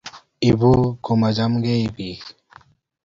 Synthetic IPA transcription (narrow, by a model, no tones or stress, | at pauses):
ibukʰumɐd͡ʑɐmɡeibi